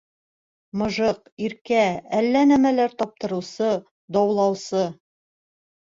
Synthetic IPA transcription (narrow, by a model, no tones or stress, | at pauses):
mɤ̆ʒɤq | iɾkæælːænæmælæɾt̪ɒp̚t̪ɤ̆ɾɤ̆wsɤ | d̪ɒwlˠɑwsɤ